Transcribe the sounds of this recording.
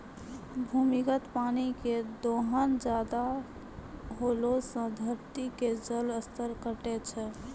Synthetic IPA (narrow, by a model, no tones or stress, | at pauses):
bʱumikət̪paniked̪oɦənd͡ʒad̪a | ɦolosə̃d̪ʱəɾt̪iked͡ʒələst̪əɾkəʈɛt͡ʃʰɛ